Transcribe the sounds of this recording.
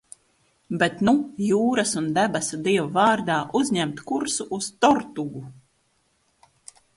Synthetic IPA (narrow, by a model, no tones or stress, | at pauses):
bɛt̪nujuːɾasund̪æbɛsad̪iɛvavaːɾd̪aːʔuzʲɲɛmt̪kuɾsuʔust̪ɔɾt̪uɡu